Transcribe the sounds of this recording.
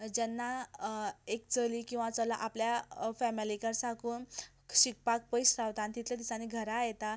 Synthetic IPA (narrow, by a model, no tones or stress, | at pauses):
d͡ʑɛnːa | ek̚t͡səlikĩw̃ʋat͡səlaʔapljafɛmilikəɾsakuːn | ɕik̚pak̚pəjsɾawt̪ant̪it̪ʰljad̪isãniɡʱəɾaːjt̪a